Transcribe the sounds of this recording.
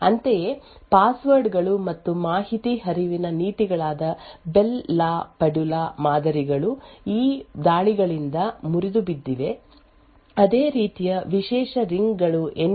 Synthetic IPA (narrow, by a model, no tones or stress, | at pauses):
ɐnt̪ejepaːsʋɐɾɖɡɐɭumɐt̪ːumaːɦit̪iɦɐɾiʋinɐniːt̪iɡɐɭaːd̪ɐbelːaːpɐɖulaːmaːd̪ɐɾiɡɐɭuiːd̪aːɭiɡɐɭind̪ɐmuɾid̪ubid̪ːiʋe̞ | ɐd̪eːɾiːt̪ijɐʋiʃɛːʃɐɾiŋɡɡɐɭuʔen